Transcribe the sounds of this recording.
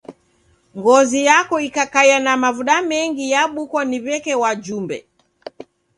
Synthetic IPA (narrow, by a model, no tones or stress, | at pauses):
ŋɡɔzijakɔikakajanamavuɗamɛŋɡijaɓukwɔniβɛkɛwad͡ʒumbɛ̰